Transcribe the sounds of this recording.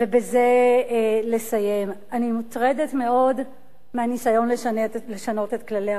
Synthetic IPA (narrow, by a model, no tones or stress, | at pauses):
vebe̞ze̞ | le̞saje̞m | animutʁedetme̞o̞d | meanisajo̞nlele̞ʃano̞te̞tklalea